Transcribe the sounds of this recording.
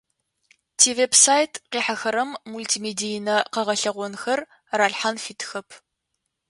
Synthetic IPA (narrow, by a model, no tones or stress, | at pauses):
tʰiːveːbsaːjtʰqiːħaxɐɾɐmːultʰiːmeːdijnɐqɐʁɐɬɐʁʷɔnxɐr | raːɬħanfiːtʰxɐpʰ